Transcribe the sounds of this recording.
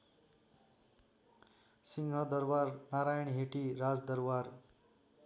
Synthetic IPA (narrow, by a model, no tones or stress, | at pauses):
siŋɡʱʌd̪ʌɾbaɾnaɾajʌɳɦeʈiɾad͡zd̪ʌɾwaɾ